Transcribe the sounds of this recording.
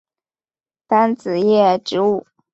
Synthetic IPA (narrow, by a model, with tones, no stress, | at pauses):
t̪a˥nt͡sɹ̩˨˩jɛ˥˩ʈ͡ʂɻ̩˧˥u˥˩